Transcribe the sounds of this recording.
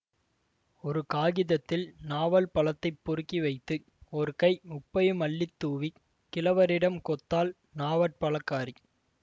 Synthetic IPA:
ɔɾɯkaːɣɪðɐt̪ːɪlnaːʋɐlpɐɭɐt̪ːɐɪpːɔɾɯkːiʋɐɪt̪ːɯ | ɔɾɯkɐɪʊpːɐjɯmɐɭːɪt̪ːuːʋi | kɪlɐʋɐɾɪɽɐmkɔt̪ːaːl | naːʋɐʈ̚pɐlɐkːaːɾi

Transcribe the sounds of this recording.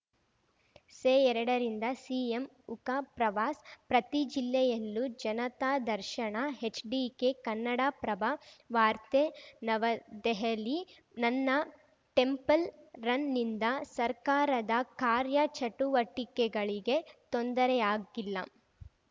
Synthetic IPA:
seːɛɾɐɽɐɾind̪ɐsiːem | ukapɾɐʋaːspɾɐt̪id͡ʒilːɛjɐlːud͡ʒɐnɐt̪aːd̪ɐɾʃɐɳɐɦet͡ʃɖikekɐnːɐɽaːpɾɐbaʋaːɾt̪enɐʋɐd̪ɛɦɐli | nɐnːɐ | ʈe̞mpɐlɾɐnːind̪ɐsɐɾkaːɾɐd̪ɐkaːɾjɐt͡ʃɐʈuʋɐʈːikɛɡɐɭiɡe̞t̪ond̪ɐɾɛaːɡilːɐ

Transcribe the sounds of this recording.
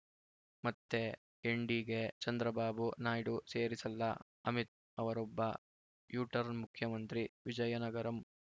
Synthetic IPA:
mɐt̪ːe̞ | eɳɖiɡe̞t͡ʃɐnd̪ɾɐbaːbunaːjɽuseːɾisɐlːɐ | ɐmit̪̚ | ɐʋɐɾɔbːɐ | juːʈɐɾnmukʰjɐmɐnt̪ɾiʋid͡ʒɐjɐnɐɡɐɾɐm

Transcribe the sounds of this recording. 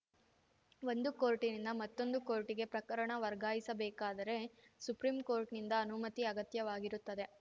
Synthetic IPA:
ʋo̞nd̪uko̞ːɾʈinind̪ɐmɐt̪ːo̞nd̪uko̞ːɾʈiɡe̞pɾɐkɐɾɐɳɐʋɐɾɡaːjisɐbɛːkaːd̪ɐɾe̞supɾiːmkoːɾʈnind̪ɐːnumɐt̪iɐɡɐt̪jɐʋaːɡiɾut̪ːɐd̪e̞

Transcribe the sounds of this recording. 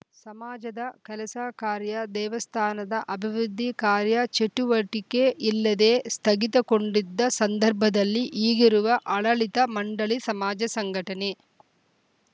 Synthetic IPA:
sɐmaːd͡ʒɐd̪ɐkɛlɐsaːkaːɾjɐd̪ɛːʋɐst̪ʰaːnɐd̪ɐʔɐbʱiʋɾud̪ʱːikaːɾjɐt͡ʃeʈːuʋɐʈikeʔilːɐd̪eːst̪ʰɐɡit̪ɐko̞ɳɖid̪ːɐsɐnd̪ɐɾbʱɐd̪ɐlːiʔiːɡiɾuʋɐʔɐɭɐɭit̪ɐmɐɳɖɐɭisɐmaːd͡ʒɐsɐŋɡʱɐʈɐne

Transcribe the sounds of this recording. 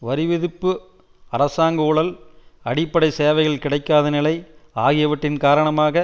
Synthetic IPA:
ʋɐɾɪʋɛðɯpːɯ | ɐɾɐsaːŋɡɐʊɽɐlɐɽɪpːɐɽɐɪseːʋɐɪɣɐɭkɪɽɐɪkːaːðɐnɪlɐɪaːɣɪjɐʋɐʈːɪnkaːɾɐɳɐmaːɣɐ

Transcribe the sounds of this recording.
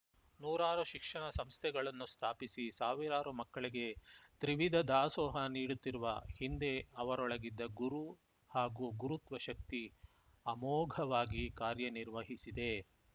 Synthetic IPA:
nuːɾaːɾuʃikʂɐɳɐsɐmst̪ʰɛɡɐɭɐnːust̪ʰaːpisisaːʋiɾaːɾumɐkːɐɭiɡe̞t̪ɾiʋid̪ʱɐd̪aːsɔːɦɐniːɽut̪ːiɾuʋɐhind̪e̞ɐʋɐɾɔɭɐɡid̪ːɐɡuɾu | haːɡuɡuɾut̪ʋɐʃɐk̚t̪i | ɐmɔːɡʱɐʋaːɡikaːɾjɐniɾʋɐɦisid̪e̞

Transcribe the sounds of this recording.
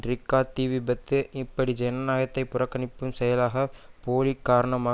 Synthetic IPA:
rɪkːaːt̪iːʋɪbɐt̪ːɯʔɪpːɐɽid͡ʒɛnɐnaːjɐt̪ːɐɪpːʊɾɐkːɐɳɪpːɯmsɛjɐlaːɣɐpoːlikːaːɾɐɳɐmaː

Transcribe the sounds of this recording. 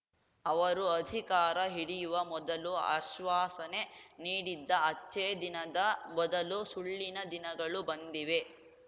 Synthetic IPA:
ɐʋɐɾuɐd̪ʱikaːɾɐɦiɽijuʋɐmɔd̪ɐlua̰ːʃʋaːsɐneniːɽid̪ːɐɐt͡ʃːeːd̪inɐd̪ɐmɔd̪ɐlusuɭːinɐd̪inɐɡɐɭubɐnd̪iʋe̞

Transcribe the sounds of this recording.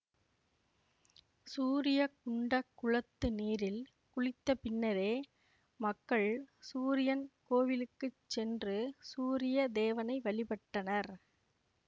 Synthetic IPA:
suːɾɪjɐkʊɳɖɐkːʊɻɐt̪ːɯniːɾɪl | kʊɻɪt̪ːɐpɪnːɐɾeː | mɐkːɐɭsuːɾɪjɐnkoːʋɪlɯkːɯt͡ʃːɛndrɯsuːɾɪjɐd̪eːʋɐnɐɪʋɐɭɪpɐʈːɐnɐɾ

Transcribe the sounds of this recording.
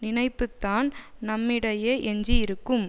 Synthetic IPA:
nɪnɐɪpːɯt̪ːaːnnɐmːɪɽɐjeːʔɛɲd͡ʒiɪɾɯkːɯm

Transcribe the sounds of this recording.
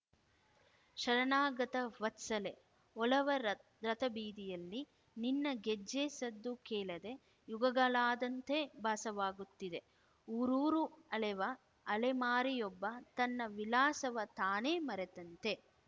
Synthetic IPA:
ʃɐɾɐnaːɡɐt̪ɐʋɐt̪sɐle̞ | ɔlɐʋɐ | ɾɐt̪ɐbiːd̪ijɐlːi | ninːɐɡed͡ʒːeːsɐd̪ːukɛːlɐd̪e̞ | juɡɐɡɐlaːd̪ɐnt̪ebʱaːsɐʋaːɡut̪ːid̪e̞ | uːɾuːɾuɐlɛʋɐː | lemaːɾijɔbːɐt̪ɐnːɐʋilaːsɐʋɐt̪aːneːmɐɾet̪ɐnt̪e̞

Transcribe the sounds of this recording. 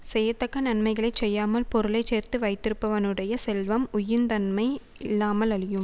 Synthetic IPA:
sɛjɐt̪ːɐkːɐnɐnmɐɪɣɐɭɐɪt͡ʃɛjːaːmɐlpɔɾɯlɐɪt͡ʃeːrt̪ɯʋɐɪt̪ːɪɾɯpːɐʋɐnɯɽɐjɐsɛlʋɐmʊjɪnd̪ɐnmɐɪ | ɪlːaːmɐlɐɭɪjɯm

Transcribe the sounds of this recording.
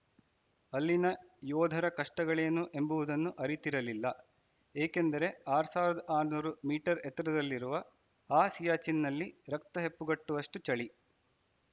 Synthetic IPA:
ɐlːinɐjɔːd̪ʱɐɾɐkɐʂʈɐɡɐɭe̞ːnuʔe̞mbuʋud̪ɐnːuʔɐɾit̪iɾɐlilːɐ | eːke̞nd̪ɐɾe̞aːɾsaːʋɾɐd̪ɐʔaːɾnuːɾumiːʈɐɾɛt̪ɾɐd̪ɐlːiɾuʋɐ | aːsijaːt͡ʃinːɐlːiɾɐkt̪ɐɦe̞pːuɡɐʈːuʋɐʂʈut͡ʃɐɭi

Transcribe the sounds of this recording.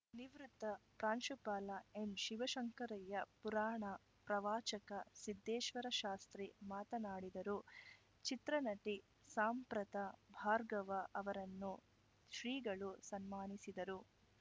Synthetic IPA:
niʋɾut̪ːɐpɾaːnʃupaːlɐemʃiʋɐʃɐŋkɐɾɐjɐpuɾaːɳɐ | pɾɐʋaːt͡ʃɐkɐsid̪ːɛːʃʋɐɾɐʃaːst̪ɾimaːt̪ɐnaːɽid̪ɐɾu | t͡ʃit̪ɾɐnɐʈi | saːmpɾɐt̪ɐbʱaːɾɡɐʋɐʔɐʋɐɾɐnːu | ʃɾiːɡɐɭusɐnmaːnisid̪ɐɾu

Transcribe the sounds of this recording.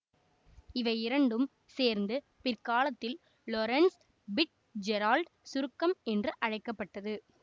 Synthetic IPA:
ɪʋɐɪɪɾɐɳɖɯm | seːɾnd̪ɯ | pɪrkaːlɐt̪ːɪl | lɔɾɐns | bɪʈ̚ | d͡ʒɛɾaːlɖsʊɾɯkːɐmɛndrɯʔɐɻɐɪkːɐpːɐʈːɐðɯ

